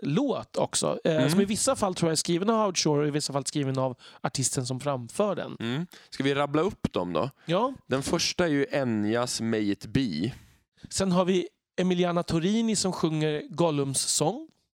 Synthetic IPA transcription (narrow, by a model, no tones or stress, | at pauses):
loːt̪ʰɔ̰ksɔ̰sɔmɪvɪsːafalt̪ʰɾuːjaæskɾiːvənavaʊt̪ʂoːɾɔɪvɪsːafalskɾiːvənavaʈʰɪst̪ənsɔmfɾamfœːɖɛ̰nskavɪɾablaɵpːd̪ɔ̰md̪ɔ̰jɑːd̪̥ɛnfœʂʈaæɾjɵʔɛnjasmɛjt̪biː | sɛnɦaɾvɪ | ɛmɪlɪaːnat̪ʰʊɾiːnɪsɔmɧɵŋːəɾɡɔlɵmsːɔŋː